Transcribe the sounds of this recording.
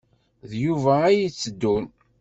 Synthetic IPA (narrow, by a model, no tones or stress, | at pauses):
ðjuvæːjit͡sːəd̪ːun